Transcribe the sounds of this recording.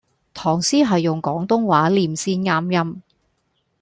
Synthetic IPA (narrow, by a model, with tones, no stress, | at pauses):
t̪ʰɔː˨˩ŋsiː˥ɦɐ˨jːʊ˨˩ŋkɔː˨˥ŋt̪ʊ˥ŋwaː˨˥liː˨msiː˥nŋaː˥mjɐ˥m